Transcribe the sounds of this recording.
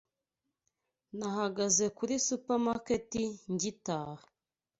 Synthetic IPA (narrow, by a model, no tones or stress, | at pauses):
nahaɡazekuɾisupaɾmaketiɲɟitaːha